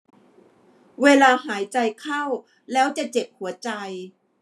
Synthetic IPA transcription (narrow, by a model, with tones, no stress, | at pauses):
weː˧laː˧haː˩˦jt͡ɕa˧jkʰa˥˩w | lɛː˦˥wt͡ɕa˨˩t͡ɕe˨˩p̚hu˩˦ɐt͡ɕa˧j